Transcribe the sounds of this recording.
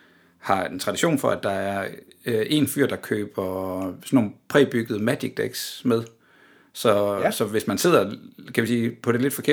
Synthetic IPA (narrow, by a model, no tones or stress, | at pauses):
hɑ̈ent͡sʰʁɑ̈ɾ̥iɕo̝̰ːnfɒ̽æd̥ɑ̈æɐ | ʔe̝nfy̰ɐ̰d̥ɑ̈kʰø̰ːb̥ɐsɒnːonpʰʁɛːb̥yɡ̥əð̞̩ˠəmæd̥iɡ̥̚d̥eɡ̥smeð̞ˠ | sɒ̽sɒ̽ʋe̝smænse̝ð̞̰ˠɐkʰæʋisiːpʰɒ̽ɾ̥e̝le̝d̥fɒ̽kʰe̝ɐ